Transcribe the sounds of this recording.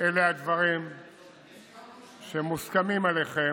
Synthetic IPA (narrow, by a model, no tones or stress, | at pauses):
elead̪vaʁim | ʃemuskamimaleχe